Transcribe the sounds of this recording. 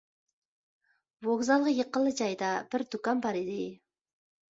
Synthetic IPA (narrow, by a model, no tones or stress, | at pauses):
voɡzɑlˠʁəjəqəlˠːɨd͡ʒɑjd̪ɑb̥ɪɾd̪ukɑnbɑɾid̪ɪ